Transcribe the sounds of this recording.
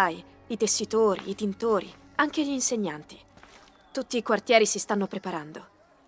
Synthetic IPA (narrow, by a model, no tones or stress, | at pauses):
aːi | it̪esːit̪oːɾḭːt̪int̪oːɾḭ | aŋk̟eʎiːnseɲːant̪i̥ | t̪ut̪ːiːkwart̪jɛːɾisist̪anːopɾepaɾand̪o